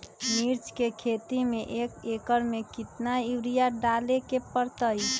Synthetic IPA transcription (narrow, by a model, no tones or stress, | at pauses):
miɾt͡ʃkekʰet̪imeʔekekəɾmekit̪naiwɾijaɖalekepəɾt̪əj